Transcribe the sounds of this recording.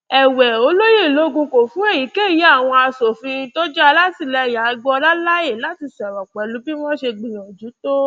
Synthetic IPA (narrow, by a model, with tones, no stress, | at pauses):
ɛ˨wɛ˨o˧˦lo˦je˦˨lo˨˦ɡũ˧ko˨fũ˨˦ɛ˦˨ji˨˦ke˦˨ji˨˦a˦˨w̃ɔ̃˧a˧so˨fĩ˧to˦d͡ʒɛ˦a˧la˦ti˦˨lɛ˧˨ja˨˦˧ɡ͡bɔ˧ɾa˦la˦je˦˨la˨˦ti˧sɛ˨ɾɔ˨k͡pɛ˨lu˨˦bi˦wɔ̃˦ʃe˧ɡ͡bĩ˨nɔ̃˨d͡ʒu˨˦to˦